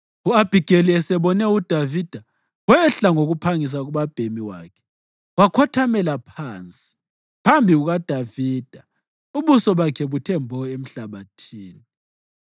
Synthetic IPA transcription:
uab̥ʱiɡ̥ʱeliɛsɛβɔnɛud̥ʱavid̥ʱa | wɛɬaŋoɣupʰaŋis̬aɣuβab̥ʱemiwa̰ːkʰɛ̥ | wakʰɔtʰamɛlapʰaːnt͡sʼi̥ | pʰambʱiɣuɣad̥ʱaviːd̥ʱa | uβusɔβakʰɛβutʰɛmbʱɔem̩ɬaβatʰiːni

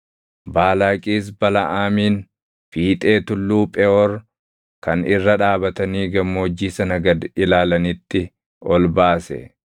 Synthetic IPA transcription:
baːlaːkʼiːs̬bɐlɐʔaːmiːn | fiːt̪ʼeːt̪ʊlːuːpʼɛɔɾ | kɐnɪrːɐᶑaːbɐt̪ɐniːɡɐmːoːd͡ʒːiːsɐnɐɡɐd̪ɪlaːlɐnɪt̪ːɪ | ɔlbaːsɛ̰

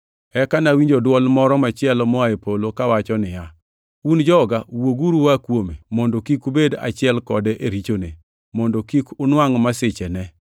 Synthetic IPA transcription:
ɛkanawiɲd͡ʒɔdwɔlmɔɾɔmat͡ʃɪɛlɔmɔaepolokawat͡ʃɔnɪja | und͡ʒɔɡawoɡuɾuwakwomemɔndɔkikubeda̰t͡ʃɪɛlkɔdɛʔeɾit͡ʃone | mɔndɔkikʊnwaŋmasɪt͡ʃɛnɛ

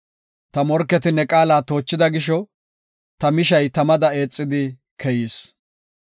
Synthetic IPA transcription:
t̪ɐmɔɾkːɛt̪ɪnɛkʼaːlaːt̪o̞ːt͡ʃːɪd̪ɐɡɪʃɔ | t̪ɐmɪʃɐjt̪ɐmɐd̪ɐeːt͡sʼːɪd̪ɪ | kʰɛjɪs

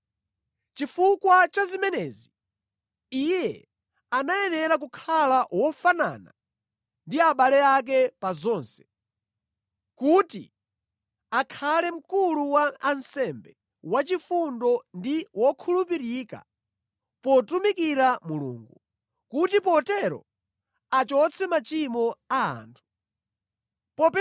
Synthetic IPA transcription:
t͡ʃifukwat͡ʃazimɛnɛːzi | ijɛ̰ | anaɛnɛɾak̬ukʰalaʔwɔfana̰na̰ | ndiaɓalɛak̬ɛpazɔːnsɛ̥ | kutḭ | akʰalɛm̩kuluwaːnsɛmbɛ | wat͡ʃifundɔndiwɔkʰulupiɾika̰ | pɔtumikiɾamulṵːŋɡu | kutipɔtɛɾɔ̰ | at͡ʃɔt͡sʰɛmat͡ʃimɔaa̰ːntʰu̥ | pɔpɛ

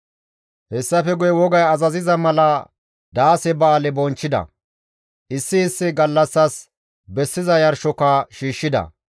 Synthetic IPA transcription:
hɛsːɐfɛɡʊjɛwɔɡɐjɐzɐzɪzɐmɐlɐ | d̪aːsɛbɐːlɛbɔnt͡ʃːɪd̪ɐ̰ | ʔɪsːɪɪsːɪɡɐlːɐsːɐs | bɛsːɪzɐjɐɾʃɔkɐʃiːʃːɪd̪ɐ̰

